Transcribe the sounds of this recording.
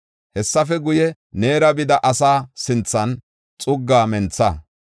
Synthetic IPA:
hɛsːɐfɛɡʊjɛ | ne̞ːɾɐbɪd̪ɐʔɐsaːsɪnt͡sːɐn | t͡sʼʊɡːaːmɛnt͡sːɐ

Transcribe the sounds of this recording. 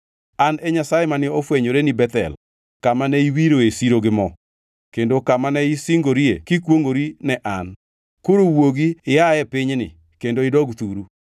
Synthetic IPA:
anɛɲasajemanɪofweɲoɾenibɛt̪ɛ̰l | kamanɛiwiɾoesiɾoɡɪmɔ | kendokamanɛisɪŋɡoɾiekikwoŋɡoɾinɛʔan | koɾowoɡiɪaɛpɪɲnɪ̰ | kendoɪdɔɡt̪uɾu

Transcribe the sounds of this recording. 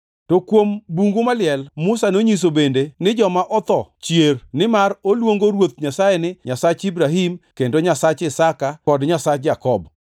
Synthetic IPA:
tokwombuŋɡomalɪɛlmʊsanoɲis̬obendenɪd͡ʒɔmaʔɔt̪ɔt͡ʃjernɪmarolwoŋɡoɾwot̪̚ɲasajenɪɲasat͡ʃibɾaɦimkendoɲasat͡ʃɪsakakɔdɲasat͡ʃd͡ʒakɔb

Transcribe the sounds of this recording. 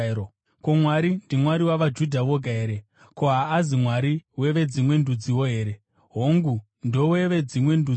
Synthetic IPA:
komwaɾindimwaɾiwaʋad͡ʒudʱaʋo̞ɡʱaeːɾe̞ | ko̞ɦaːzimwaɾiwe̞ʋe̞d͡zimwe̞ndud͡ziwo̞ɦe̞ːɾe̞ | ɦoŋɡu | ndo̞we̞ʋe̞d͡zimwe̞ndu

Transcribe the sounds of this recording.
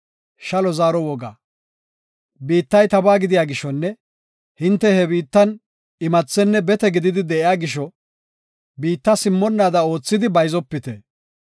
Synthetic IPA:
ʃɐlɔzaːɾɔwɔɡa̰ː | biːt̪ːɐjt̪ɐbaːɡɪd̪ɪjaːɡɪʃɔnːɛ | hɪnt̪ːɛhɛbiːt̪ːɐn | ɪmɐt͡sːɛnːɛbɛt̪ɛɡɪd̪ɪd̪ɪd̪ɛʔɪjaːɡɪʃɔ | biːt̪ːɐsɪmːɔnːaːd̪ɐo̞ːt͡sːɪd̪ɪbɐjzɔpːɪt̪ɛ̰

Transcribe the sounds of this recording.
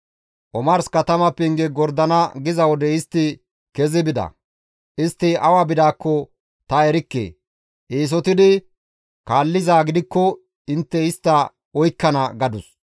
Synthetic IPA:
ʔɔmɐɾskɐt̪ɐmɐpːɛɪŋɡɛɡɔɾd̪ɐnɐɡɪzɐwɔd̪ɛɪst̪ːɪ | kɛzɪbɪd̪ɐ̰ | ʔɪst̪ːɪɐwaːbɪd̪aːkːɔ | t̪ɐɛɾɪkːḛː | ʔeːs̬ɔt̪ɪd̪ɪ | kaːlːɪzaːɡɪd̪ɪkːɔ | ɪnt̪ːɛɪst̪ːɐ | ɔjkːɐnɐɡɐd̪ʊs

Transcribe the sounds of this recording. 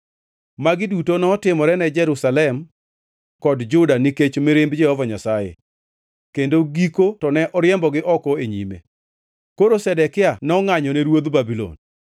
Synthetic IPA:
maɡɪdutonɔːtɪmɔɾɛnɛd͡ʒɛɾusalɛm | kɔdd͡ʒʊdaniket͡ʃmeɾɪmbd͡ʒɛhɔvaɲasajḛ | kendoɡikotɔnɛʔɔɾjɛmbɔɡɪʔɔkɔeɲḭmḛ | koɾosɛdɛkɪanɔŋaɲɔnɛɾwod̪babilo̰n

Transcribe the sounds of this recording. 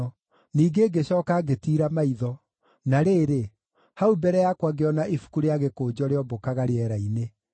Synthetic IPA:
niːɡeːɡeɕɔːkaɡetiːɾamaiðɔ | naɾeːɾe | haubɛɾɛjakwaɡeɔnaʔifu̥kuɾeaɣekoːd͡ʑɔɾeɔbokaɣaɾeɛɾaine

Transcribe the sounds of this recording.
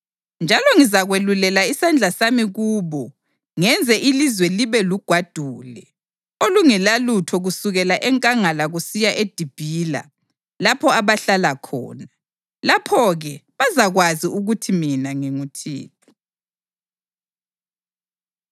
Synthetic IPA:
nd͡ʒʱalɔŋizaɣwelulɛlaisand͡ɮʱasamiɣuːβɔ | ŋɛnd͡zʱɛʔilizwɛliβɛluɡ̥ʱwad̥ʱuːlɛ | oluŋɛlalutʰɔɣusuɣɛlaʔɛŋkʼaŋalaɣusijaʔed̥ʱib̥ʱila̰ | lapʰɔaβaɬalakʰɔ̰ːna | lapʰɔɣɛβazaɣwaziuɣutʰiminaŋiŋutʰḭːt̚ʰɔ̥

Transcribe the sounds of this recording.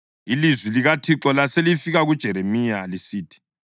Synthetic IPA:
ilizwiliɣatʰiǁɔlaselifiɣaɣud̥ʒ̥ʱɛɾemijalisiːtʰi̥

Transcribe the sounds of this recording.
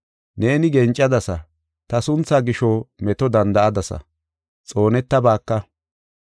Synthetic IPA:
ne̞ːnɪɡɛnt͡ʃʼːɐd̪ɐsɐ | t̪ɐsʊnt͡sːaːɡɪʃɔmɛt̪ɔd̪ɐnd̪ɐʔɐd̪ɐsɐ̰ | t͡sʼo̞ːnɛt̪ːɐbaːkːɐ

